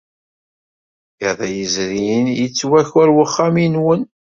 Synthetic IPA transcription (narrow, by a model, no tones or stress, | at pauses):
jəðˤæjəzɾijənjət͡sːwæçwæɾwəχːaminwən